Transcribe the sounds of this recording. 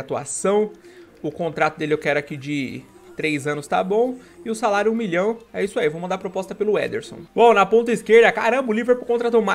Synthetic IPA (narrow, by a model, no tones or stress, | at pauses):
at̪ua̰sɐ̃w̃ | ʊkõnt̪ɾat̪ʊd̪elɪewkɪɛɾakid͡ʒɪ | t̪ɾejzɐ̃nʊst̪a̰bõw̃ | ɪʊsalaɾjʊũmiʎɐ̃w̃ɛisʊaivomɐ̃nd̪aɐpɾopɔst̪ɐpelʊɛ̰d̪eɾsõ̰w̃bõw̃nɐpõnt̪̬ɐiskeɾd̪ɐkaɾɐ̃bɐlivɾepɾʊkõnt̪ɾat̪ɐ̃ma